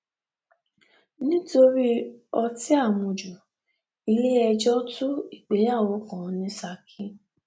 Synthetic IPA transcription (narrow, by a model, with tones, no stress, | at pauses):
nĩ˦to˧ɾi˦ɔ˧ti˦a˦˨mũ˨d͡ʒu˨ | i˧le˦ɛ˧d͡ʒɔ˦tu˦i˦˨k͡pe˨˦ja˦˨wo˨˦kɔ̃˨˦nĩ˨˦sa˧kʰĩ˦